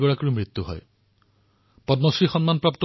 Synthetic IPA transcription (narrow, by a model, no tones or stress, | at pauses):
ɡɔɹakɔɹumɹit̪ːuɦɔ̰j | pɔdmɔsɹixɔnmanpɹapt̪ɔ